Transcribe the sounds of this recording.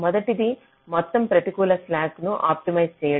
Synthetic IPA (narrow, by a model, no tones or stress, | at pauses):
mɔd̪ɐʈid̪i | mɔt̪ːɐmpɾɐt̪ikuːlɐslaːknuʔa̰ːp̚ʈimɐjst͡ʃeːjɐ